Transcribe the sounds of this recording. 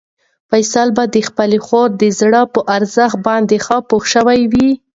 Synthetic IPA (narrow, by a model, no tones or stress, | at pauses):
fajsalbad̪əxpəlexoɾd̪əzɽəpəʔaɾzəxt̪̚bɑnd̪exɑpoxʃəwajwi